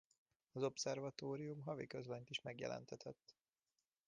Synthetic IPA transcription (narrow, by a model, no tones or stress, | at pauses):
ɒzo̞psɛrvɒt̪oːɾijumɦɒvikøzlɛnt̪iʃmɛɡjɛ̰lʔɛ̰nt̪ɛt̪ʰɛt̪ː